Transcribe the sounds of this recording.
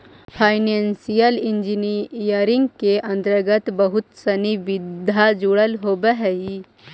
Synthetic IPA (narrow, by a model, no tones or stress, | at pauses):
pʰaːɪnensijəlɪ̃nd͡ʒiniijəɾɪ̃ŋɡ̚keʔɐ̃nt̪əɾɡət̪bəɦʊt̪sɐnibɪd̪ʱad͡ʒuɽəlɦoːbəɦɛi